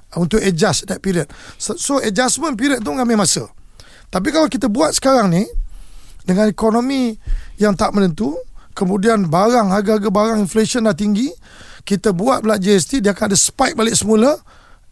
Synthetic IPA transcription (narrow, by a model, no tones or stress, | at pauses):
unt̪ʊʔəd͡ʒasdɛt̪̚piɾiət̪̚ssoəd͡ʒasmə̃np̬iɾiət̪̚ːuŋamamasə | t̪ap̬ikalawkit̪əbuat̪̚sə̥kaɾaŋni | dəŋãnikonomijaŋt̪aʔmənənt̪ukəmũdianbaɾaŋhaɡaaɡəbaɾaŋinflesənlaht̪iŋɡi | kit̪əbuat̪̚bəlaʔd͡ʒəɛs̬t̪idiakanadəsə̥paɪk̚balɪksəmulə